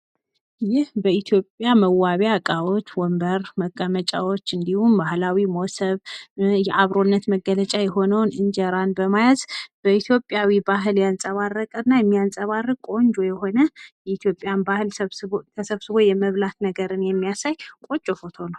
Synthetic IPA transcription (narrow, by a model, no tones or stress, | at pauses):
jɪhbəit̪ʰjo̞pʼjaməwaβjakʼawo̞t͡ʃːwɔmbəɾməkʼːəmət͡ʃʼawo̞t͡ʃːɨnd̪ihumbahlawimosəβjɛʔaβɾo̞nːət̪məɡːələt͡ʃʼajɛɦo̞nəwnɨnd͡ʒɛɾanbəmajazb̥əit̪ʰjopʼːjawibaɦɨljansʼəβarːəkʼɨnːajɛmːijansʼəβarːəkʼo̞nd͡ʒo̞jɛɦo̞nəjɛit̪ʰjo̞pʼːjanbahɨlt̪ʰəsəβsɨβo̞jɛməβlat̪nəɡəɾɨnjɛmːijasajkʼo̞t͡ʃʼofot̪ʰonaw